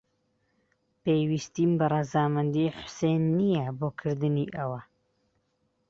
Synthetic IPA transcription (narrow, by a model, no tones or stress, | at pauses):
pejwist̪iːmbɐrɑzaːmɨnd̪iħʊ̥sejnːijɛboːkʰɨɾd̪ɨniːʔɐwɐ